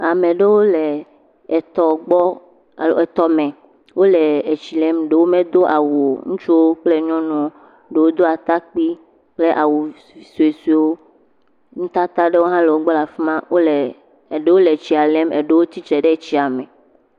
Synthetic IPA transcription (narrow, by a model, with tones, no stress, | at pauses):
a˨mẽ˨ɖe˦wo˦le˨ | t̪ɔ˨ɡ͡bɔ˦˨ | lo˨e˨t̪ɔ˨mẽ˨ | wo˦le˨e˨t͡ɕi˨lɛ˦mɖe˦wo˦mẽ˦d̪o˦ʔa˨wu˨o˨ŋũ˦t͡ʃu˦wo˦k͡ple˦ɲɔ̃˦nɔ̃˨ | ɖe˨wo˦d̪o˦a˨t̪a˦k͡pi˦ | k͡ple˦ʔa˨wu˨ | i˨su˨e˨swi˨˦wo˦ | ŋ̩̃˦t̪a˦t̪a˦ɖe˦wo˦ɦã˦le˨wo˦ɡ͡bɔ˦la˨fi˦mã˦wo˦le˨ | ɖe˦wo˦le˨t͡ɕi˨a˨le˦mɛ̰˨ɖe˦wo˦t̪i˦t͡ʃɛ˨ɖe˦˨t͡ɕi˦a˨mẽ˨